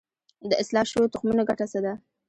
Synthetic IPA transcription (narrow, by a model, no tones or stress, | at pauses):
d̪əɪslɑʃowot̪ʊxmunoɡaʈasad̪a